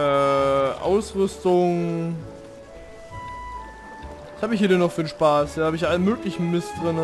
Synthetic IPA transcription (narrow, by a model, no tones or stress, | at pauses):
ɛːʔa̰ʊsʁʏstʊŋ | shaːbɪçhiːɐdɛnɔχfiːnʃpaːsiːhaːbəɪçʔaləmøːklɪçn̩mɪstd̥ʁɪnə